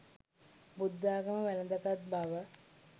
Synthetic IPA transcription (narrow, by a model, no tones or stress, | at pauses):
bud̪ːaːɡəməʋæləd̪akat̪̚baʋə